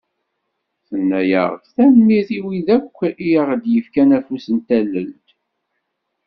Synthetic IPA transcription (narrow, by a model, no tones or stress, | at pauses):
θənːæjə̰ʁðθæmnːiθiwiðækʷːiəʁd̪jəfkænæfusənt̪ælːəlt̪